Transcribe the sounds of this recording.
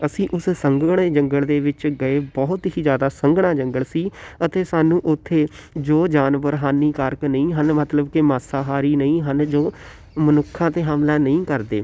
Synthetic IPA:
əsĩːʔʊssəŋɡɳ̃eːd͡ʒəŋɡəɭd̪eːʋɪt͡ʃɡəeːbɔːɦʊt̪ɦiːd͡ʒjaːd̪aːsəŋɡɽãːd͡ʒəŋɡəɭsiːət̪eːsaːnũːʔʊt̪ʰːeːd͡ʒoːd͡ʒaːnʋəɾɦaːnːiːkaːɾknəĩːɦənmət̪ləbkɪmaːsaːɦaːɾiːnəĩːɦənd͡ʒoː | mənʊkʰːãːt̪eːɦaːmlaːnəĩːkəɾd̪eː

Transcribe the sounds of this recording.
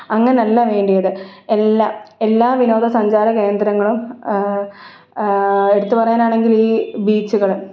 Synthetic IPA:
ɐŋːɐneɐlːɐʋe̞ːɳɖijɐðɨe̞lːaːe̞lːaːʋino̞ːd̪ʱɐsɐɲd͡ʑaːɾɐke̞ːnd̪ɾɐŋːɐɭum | e̞ɽut̪ːupɐrɐjaːnaːɳe̞ŋɡiliːbiːt͡ɕːuɣɐɭum

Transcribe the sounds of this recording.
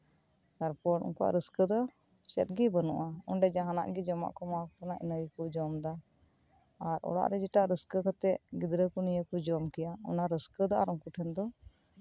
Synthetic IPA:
t̪aɾpɔʈṵnkuʔa̰ʔɾəskəd̪ɔ | t͡ʃɛ̰t̪̚ɡibənṵʔaunɖɛd͡ʒaɦana̰ʔɡid͡ʒɔma̰ʔkɔmãk̚ʈɔnaʔḭnəikɔd͡ʒɔmd̪aː | ɾʔɔ̰ɽa̰ʔɾɛd͡ʒɛʈaʔɾəskəkat̪ɛʔɡid̪ɾəkɔnijəkɔd͡ʒɔmkijaɔ̰naɾəskəd̪a̰ɾɔŋkuʈʰɛnd̪ɔ

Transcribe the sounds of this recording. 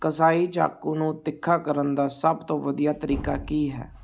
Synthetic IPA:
kəsaːiːt͡ʃa̰ːkuːnũːt̪ɪkʰːaːkəɾənd̪aːsəbt̪õːʋəd̪ijaːt̪əɾiːkaːkiːɦɛ̰ː

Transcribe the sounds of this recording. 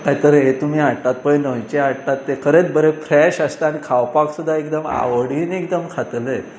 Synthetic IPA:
k̪ait̪əɾɦet̪um̤iːaʈat̪̚pəjnəjt͡ɕeaʈat̪ːekʰəɾet͡s̪bəɾefɾɛɕəst̪aañikʰawpaksud̪ʱːaekd̪əma̰ʋəɽiːnekd̪əmkʰat̪le

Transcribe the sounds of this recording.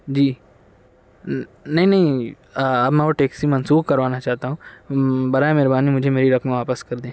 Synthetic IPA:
d͡ʒiː | nɐɦĩnɐɦĩ | ɐbmɛ̃oʈeːksimɐnsuːxkɐɾʋaːnat͡ʃaːɦt̪aɦũːbɐɾaːemɛɦɾbaːnimʊd͡ʒʱemeːɾiɾɐkmẽʋaːpəskɐɾd̪ẽː

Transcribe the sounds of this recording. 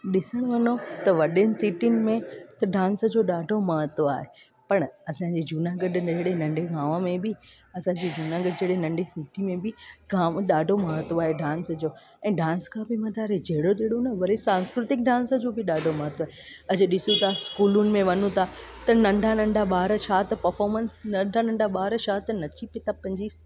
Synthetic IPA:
ɗɪsəɽ̃ʋɐnot̪ɐʋɐɗɪnɪ̆siːʈinɪ̆mẽt̪ɐɖãːns̆d͡ʑoːɗaːɖʱomɐɦət̪ʋaːɦe | pɐɽ̃ɐsãːd͡ʑiːd͡ʑuːnaɡəɖnd͡ʑɐɦɽenɐ̃ɳɖʱeɡaːʋəmẽbɪ | ɐsãːd͡ʑid͡ʑuːnaɡəɖd͡ʑɐɦɽenɐ̃ɳɖʱesiːʈimẽbɪɡaːʋɗaːɖʱomɐɦət̪ʋaːɦeɖãːnsd͡ʑoː | ɛ̃ːɖãːnskʰãːbɪmɐt̪aːɾed͡ʑɐɦɪɽoɗ̪eːɽonɐʋɐɾesãːnskɾɪt̪ɪk̚ɖãːnsəd͡ʑoːbɪɗaːɖʱomɐɦət̪aːɦe | ɐd͡ʑ̆ɗɪsũt̪ʰaskuːlʊnɪ̆mẽʋɐnũt̪ʰat̪ɐnɐ̃ɳɖʱanɐ̃ɳɖʱaɓaːɾəʃaːt̪pɐɾfɔːɾmənsnɐ̃ɖʱanɐ̃ɳɖʱaɓaːɾʃaːt̪nɐt͡ɕipet̪ʰapɐ̃ɲd͡ʑis

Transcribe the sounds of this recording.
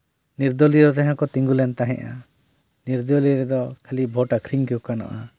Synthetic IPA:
niɾd̪ɔliɾɔt̪aɦãkɔt̪iŋɡulɛnt̪aɦɛ̰̃ʔa̰ | niɾd̪ɔliɾɛd̪ɔkʰalibʱɔʈakʰɾiŋkiukanɔ̰ʔa

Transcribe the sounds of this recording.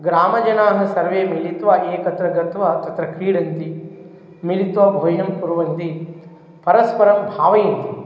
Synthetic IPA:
ɡɾaːmɐd͡ʒɐnaːɦɐ̆sɐɾʋeːmilit̪ʋɐʔeːkɐt̪ɾɐɡɐt̪ʋɐt̪ɐt̪ɾɐkɾiːɽɐnt̪i | milit̪ʋɐbʱoːjɐmkuɾuʋɐnt̪i | pɐɾɐspɐɾɐmbʱaːʋɐjɐnt̪i

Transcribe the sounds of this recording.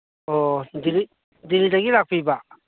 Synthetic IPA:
odili | dilidaɡilak̚pʰiba

